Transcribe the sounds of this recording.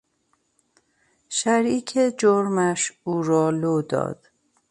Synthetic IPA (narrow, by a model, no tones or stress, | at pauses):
ʃæɾiːcʰed͡ʒoɾmæʃuːɾɒːlod̪ɒ̰ːd̪̥